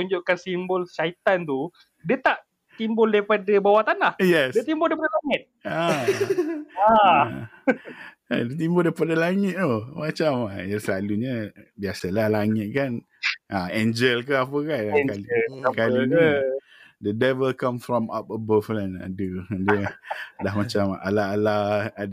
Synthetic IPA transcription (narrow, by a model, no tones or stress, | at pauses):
uɲd͡ʒʊʔkansimbʊlsait̪ant̪u | diət̪aʔ | t̪imbʊldajpadəbawat̪anlahjɛsdiət̪imbʊldajpadəlaŋɪt̪̚a | a | adiət̪imbʊldapadəlaŋɪt̪̚omat͡ʃamajasəlaluɲəbiasəlahlaŋɪt̪̚kan | ʔaend͡ʒəlkəapəkankaikalini | dədɛvəlkãmfɾɔma̰p̚əbəflana̰dədədahmat͡ʃama̰laalaad